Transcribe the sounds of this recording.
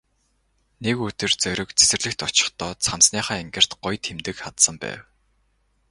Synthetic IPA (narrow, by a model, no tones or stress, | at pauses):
nekɵt̪ɘ̆rt͡sœɾʲɪ̆kt͡sʰe̥sɘ̆rɮɘ̆xt̪ɔt͡ɕɪ̥̆χt̪ɔːt͡sʰamsniːχaːeŋɡɘ̆r̥t̪ɢ̥ʊjt̪ʰxemt̪ɘ̆kχat̪sə̆mpæ̰ːw